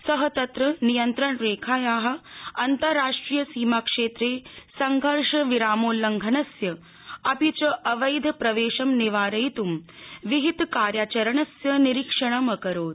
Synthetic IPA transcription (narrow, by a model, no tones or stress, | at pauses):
sɐɦɐt̪ɐt̪ɾɐnijɐnt̪ɾɐɳɾeːkʰaːjaːɦɐ̆ɐnt̪ɐɾːaːʂʈɾiːjɐsiːmakʂeːt̪ɾeːsɐŋɡʱɐɾʂɐʋiɾaːmoːlɐŋɡʱɐnɐsjɐ | ɐpit͡ʃɐʔɐʋɐjd̪ʱpɾɐʋeːʃɐmniʋaːɾɐjt̪umʋiɦit̪kaːɾjaːt͡ʃɐɾɐɳɐsjɐniɾikʂɐɳ̃ɐmɐkɐɾoːt̪